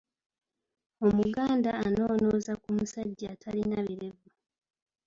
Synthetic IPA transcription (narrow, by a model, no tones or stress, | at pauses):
o̞muɡaːndaːno̞ːno̞ːzakumusaɟːaːtʰalinaβiɾe̞va